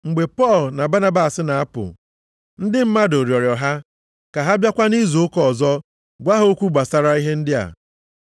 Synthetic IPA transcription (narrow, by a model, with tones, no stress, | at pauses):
ŋ͡m̩˨ɡ͡be˨pɔ˦˨lna˨ba˦na˦ba˨sɪ˦na˨a˦pʊ̰˨ | n̩˦dɪ˦m̩˦ma˦do˨ɾjɔ˨ɾjɔ˨ɦa˦ | ka˨ɦa˦bja˦kʷa˦ni˦zo˨ʊ˦kɔ˦˨zɔ˦ | ɡʷa˦ɦo˦kʷu˦ɡ͡ba˨sa˦ɾa˦i˦ɦe˦n̩˦dɪ˦a̰˨